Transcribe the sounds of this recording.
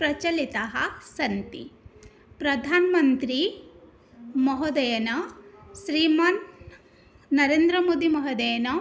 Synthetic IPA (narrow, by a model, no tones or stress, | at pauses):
pɾɐt͡ʃɐlit̪ɐɦɐsɐnt̪ḭ | pɾɐd̪ʱaːnɐmɐnt̪ɾi | mɔɦɐd̪ɐjɐnɐʃɾiːmaːn | ɐɾeːnd̪ɾɐmoːd̪imɐɦɐd̪ɐjɐnɐ